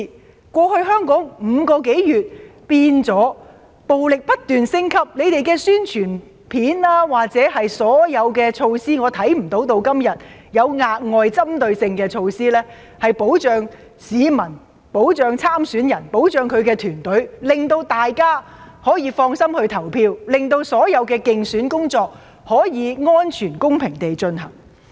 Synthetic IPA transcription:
kʷɔː˧hɵ˧ɥɦœː˥ŋkɔː˨˥ŋm̩ː˨˧kɔː˧k̬e˨˥jjyː˨t̚piː˧nt͡sɔː˨˥ | po˨wlɪ˨k̚pɐ˥t̚t̪yː˨nsɪ˥ŋkʰɐ˥p̚le˨˧jt̪e˨jkɛː˧syː˥nt͡ʃʰyː˨˩n | pʰiː˨˥nlaː˥waː˨˩k̚t͡sɛː˨˥hɐ˨jsɔː˨˥jɐ˨˧wkɛː˧t͡ʃʰo˧wsiː˥ŋɔː˨˧t̪ʰɐ˨˥jm̩˨˩t̪o˨˧˥wt̪o˧wkɐ˥mjɐ˨t̚jɐ˨˧wŋaː˧t̚ŋɔː˨˧jt͡sɐ˥mt̪ɵ˧ɥsɪ˧ŋkɛː˧t͡ʃʰo˧wsiː˥lɛː˥ | hɐ˨jpo˨˥wt͡ʃœː˨˧ŋ | siː˨˧mɐ˨˩n | po˨˥wt͡ʃœː˨˧ŋt͡sʰaː˥msyː˨˥njɐ˨˩npo˨˥wt͡ʃœː˨ŋkʰɵ˨˧ɥkɛː˧t̪ʰyː˨˩nt̪ɵ˨˥ɥlɪ˨ŋt̪o˧wt̪aː˨jkaː˥hɔː˨˥jiː˨˧fɔː˧ŋsɐ˥mhɵ˧ɥt̪ʰɐ˨˩wpʰiː˧wlɪ˨˩ŋt̪o˧wsɔː˨˥jɐ˨˧wkɛː˧kɪ˧ŋsyː˨˥nkʊ˥ŋt͡sɔː˧k̚ | hɔː˨˥jiː˨˧ŋɔː˥nt͡ʃʰyː˨˩nkʊ˥ŋpʰɪ˨˩ŋt̪e˨jt͡ʃɵ˧nɦɐ̰˨˩ŋ

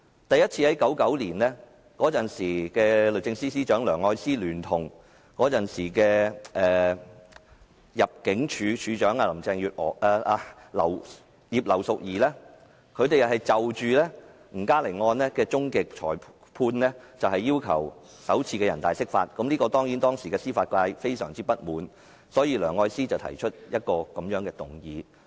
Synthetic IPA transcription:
t̪ɐ˨jɐ˥t̚t͡sʰiː˧hɐ˨˥jkɐ˨˥wkɐ˨˥wliː˨˩nlɛː˥ | kɔː˨˥t͡sɐ˨˩nsiː˨˩kɛː˧lɵ˨ɥt͡sɪ˧ŋsiː˥siː˥t͡ʃœː˨˥ŋlœː˨˩ŋɔː˧jsiː˥lyː˨˩nt̪ʰʊ˨˩ŋ | kɔː˨˥t͡sɐ˨nsiː˨˩kɛː˧ʔɛː˨ | jɐ˨p̚kɪ˨˥ŋt͡ʃʰyː˨˧t͡ʃʰyː˨˧t͡ʃœː˨˥ŋaː˧lɐ˨˩t͡sɛː˧ŋjyː˨t̚ɔ̰ː˨˩aː˧a˧lɐ̰˨˩w | jiː˨p̚lɐ˨˩wsʊ˨k̚jiː˨˩lɛː˥ | kʰɵ˧ɥt̪e˨jɐ˨˩hɐ˨jt͡sɐ˨wt͡ʃyː˨lɛː˥ | m̩˨˩kaː˥le˨˩jŋɔː˧nlɛː˥kɛː˧t͡ʃʊ˥ŋkɪ˨k̚t͡ʃʰɔː˨˩j | pʰuː˧nlɛ˥t͡sɐ˨whɐ˨jːiː˥wkʰɐ̰˨˩w | sɐ˨˥wt͡sʰiː˧kɛː˧jɐ˨˩nt̪aː˨jsɪ˥k̚fa̰ː˧t̚kɐ˨˥mliː˥kɔː˧t̪ɔː˥ŋjiː˨˥nt̪ɔː˥ŋsiː˨˩kɛː˧siː˥faː˧t̚kʷaː˧jfe˥jsœ̰ː˨˩ŋt͡siː˥pɐ˥t̚muː˨˥n | sɔː˨˥jiː˧lœː˨˩ŋːɔː˧jsiː˥t͡sɐ˨wt̪ʰɐ̰˨˩jt͡ʃʰɵ˥t̚jɐ˥t̚kɔː˧kɐ˨˦mjœː˨˥ŋkɛː˧t̪ʊ˨˩ŋjiː˨

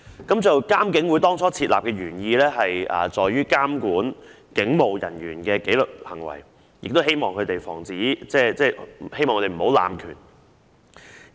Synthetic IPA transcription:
kɐ˨˥mt͡sɐ˨wkaː˥mkɪ˨˥ŋwuː˨˥jt̪ɔː˥ŋt͡sʰɔː˨˥t͡sʰiː˧t̚laː˨p̚kɛː˧ɥyː˨˩njiː˧lɛː˥ɦɐ˨jɐ̰ː˨t͡sɔː˨jɥyː˥kaː˥mkuː˨˥n | kɪ˨˥ŋmo˨wjɐ̰˨˩nɥyː˨˩nkɛː˧ke˨˥jlɵ˨k̚hɐ˨˩ŋwɐ̰˨˩j | jɪ̰˨k̚t̪o˥whe˥jmɔː˨ŋkʰɵ˨˧t̪e˨jfɔ̰ː˨˩ŋt͡siː˨˥t͡sɛː˥˩t͡sɛː˥˩˨he˥jmɔː˨ŋʰɵ˧t̪e˨˩m̩˨˩ho˨˧wla̰ː˨mkʰy̰ː˨˩n

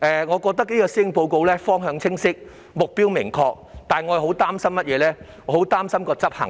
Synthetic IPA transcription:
ʔɛ˨˧ŋɔː˨˧kɔː˧k̚t̪ɐ˥k̚niː˥kɔː˧siː˥ŋpo˧wko˧wlɛː˥fɔː˥ŋɦœː˨˧ŋt͡sʰɪ˥ŋsɪ˥k̚ | mʊ˨k̚piː˥wmɪ˨˩ŋkʰɔː˧k̚t̪aː˨˩nŋɔ˨˧jɐ˨˧ho˨˥wt̪aː˥msɐ˥mːɐ˥t̚jɛː˨˧lɛː˦˥ | ŋɔː˨˧ho˨˥wt̪aː˥msɐ˥mkɔː˧t͡sɐ˥p̚hɐ̰˨˩ŋ

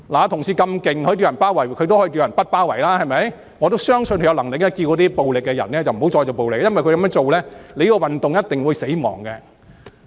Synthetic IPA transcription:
laː˨˦t̪ʰʊ˨˩ŋsiː˨˧kɐ˧mkɪ˨ŋkʰɵ˨˥t̪i˨˧jnpaː˥wɐ˨˩jkʰɵ˨˧t̪o˥whɔː˨˥i˧t̪i˧jɐ˨˩npɐ˥t̚paː˥wɐ˨˩jlaː˥hɐ˨jmɐ˨˧j | ŋɔː˨˧t̪o˥wsœː˥ŋsɵ˧nkɵ˧jwlɐ˨˩ŋlɪ˨k̚nɛː˥kiː˧wkɔː˨˧˥t̪iː˥po˨wlɪ˨k̚ːɛː˧jɐ̰˨˩nɛː˥t͡sɐ˨wm̩˨˩o˨˥wt͡sɔː˧jt͡so˨wpo˨wlɪ˨kːjɐ˥nwjkʰɵ˧kɐ˨˦mœː˥t͡so˨wlɛː˥le˨˧jkɔ˧wɐ˨nt̪ʊ˨ŋjɐ˥t̚t̪ɪ˨ŋwuː˨˧jse˨˥jmɔ̰ː˨˩ŋkɛ˧

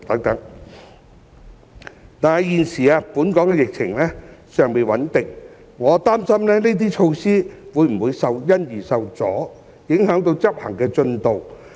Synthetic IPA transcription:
t̪ɐ˨˥ŋt̪ɐ˨˥ŋ | t̪aː˨˩na˨˧jjiː˨nsiː˨˩aː˧puː˨˥nkɔː˨˥ŋkɛ˧jɪ˨k̚t͡sʰɪ˨˩ŋlɛː˥sœː˨˧ŋpe˨˧jwɐ˨˥nt̪ɪ˨˩ŋ | ŋɔː˨˧t̪aː˥msɐ˥mlɛː˥ne˥t̪̬iː˥t͡ʃʰo˧wsiː˥wuː˨˧jm̩˨˩wuː˨˧jsɐ˨˧wjɐ˥njiː˨˩sɐ˨˧wt͡sɔ̰ː˨˥ | jɪ˨˥ŋɦœː˨˥ŋt̪o˧wt͡sɐ˥p̚hɐ̰˨˩ŋkɛː˧t͡ʃɵ˧nt̪o˨w

